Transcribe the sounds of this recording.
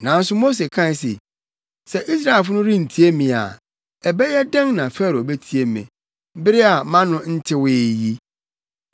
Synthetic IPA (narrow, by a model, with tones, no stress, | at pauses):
nã˨˦n̩˦sʊ˦mo˦s̬e˨kʰã˦˨˦s̬e˨ | sɛ˨ʔi˦s̬ɾa˦˨e˨lf̬ʊ˦nʊ̃˦ɾĩ˦n̩˨tʰi˨˦e˦mĩ˨a̰˨ | ɛ˨bɛ˦jɛ˦dɛ̃˦ŋnã˨fɛ˦˨ɾo˨be˦tʰi˨e˦mɛ̰̃˨ | bɪ˦ɾɪ˦a˨˦mã˦nʊ̃˦n̩˦tʰɪ˦we˦˨ji˦